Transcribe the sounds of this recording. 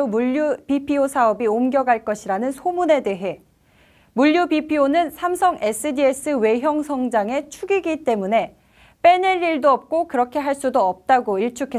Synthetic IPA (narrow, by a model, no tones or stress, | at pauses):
omuʎːupipʰiosʰaʌbiomɡjʌɡaɭk͈ʌɕʰiɾanɯnsʰomune̞de̞ɦe̞ | muʎjubipʰionɯnsʰamsʰʌŋʔe̞s͈ʰɯdies͈ʰɯwe̞ɦjʌŋsʰʌŋd͡ʑaŋe̞t͡ɕʰuɡiɡit͈e̞mune̞ | p͈e̞neʎːiɭdoʌp̚k͈okɯɾʌkʰe̞ɦaɭs͈udoʌp̚t͈aɡoiɭt͡ɕʰukʰe